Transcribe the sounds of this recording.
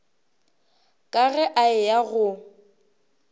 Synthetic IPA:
kʼaɣɛʔaɪjaɣʊ

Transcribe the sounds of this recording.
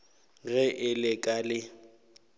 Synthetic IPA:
ɣɛʔɪlɪkʼalɪ

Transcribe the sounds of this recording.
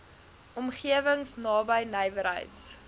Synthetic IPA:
ɔmχiəvəŋsnɑːbəjnəjvəɾɦə̰jts

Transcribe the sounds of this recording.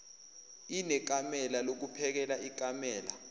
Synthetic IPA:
inɛk̬ʼamɛlalok̬upʰɛk̬ɛlaʔik̬ʼamɛːla̰

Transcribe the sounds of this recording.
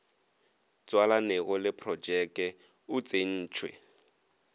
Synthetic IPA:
t͡sʼwalanɛɣɔlɪpʰrɔd͡ʒɛkɛ | ʊt͡sʼen̩ːt͡ʃʰwɛ̰

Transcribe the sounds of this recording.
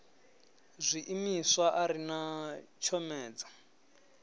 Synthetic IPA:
zʷiʔimiswaʔaɾinat͡ʃʰɔmɛːd͡zḁ

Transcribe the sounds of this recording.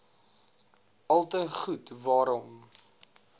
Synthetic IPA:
ɐlˠtəχutvɑːɾɔm

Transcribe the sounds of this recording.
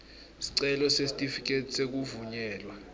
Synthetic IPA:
si̥ǀɛlɔsesitʼifik̬ʼetʰʼi̥sek̬uvuɲɛːlwa

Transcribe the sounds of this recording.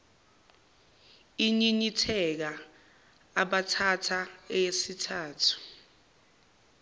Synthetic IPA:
iɲiɲitʰɛk̬aː | ɓatʰatʰaɛjesitʰaːtʰu̥

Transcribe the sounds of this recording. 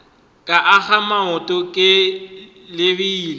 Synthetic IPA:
kʼaʔaɣamaʊtʼɔkʼɪ | lɪbiːlɪ

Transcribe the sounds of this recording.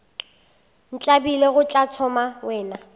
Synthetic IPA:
n̩t͡ɬʼabileɣʊt͡ɬʼat͡sʰɔmawɛːna

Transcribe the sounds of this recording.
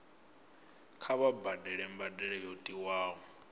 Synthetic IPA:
kʰaβabadɛɺɛmbadɛɺɛjotʼiwaːɦɔ

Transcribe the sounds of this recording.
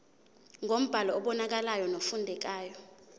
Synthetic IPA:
ŋʱom̩b̥ʱalɔɔɓɔnak̬alajɔnofundʱɛk̬aːjɔ

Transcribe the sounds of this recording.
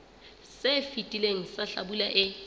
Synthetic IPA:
sefitʼileŋ̩saɬa̰ɓulaʔɪ

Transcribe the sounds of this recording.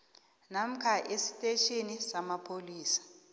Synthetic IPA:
nam̩kʰaʔesi̥tʼeʃʰenisamapʰoliːsḁ

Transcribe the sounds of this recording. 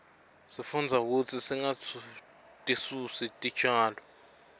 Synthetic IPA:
sifund͡zʱauk̬utʰisiŋat͡sʰu | tʼisusitʼi̥t͡ʃʼaːlɔ

